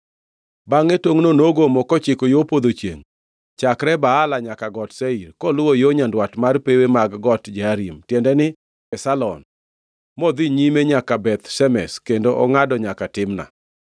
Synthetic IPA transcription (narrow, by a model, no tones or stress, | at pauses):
baŋetoŋnonoɡomɔkɔt͡ʃɪkojopod̪ot͡ʃjḛŋ | t͡ʃakɾɛbaːlaɲakaɡɔtseirkɔlʊwojoɲandwatmarpewemaɡɡɔtd͡ʒaɾimtjɛndɛnɪ | ɛsalɔ̰n | mod̪iɲimeɲakabɛt̪sɛmɛ̰skendoʔɔŋadɔɲakatɪmna̰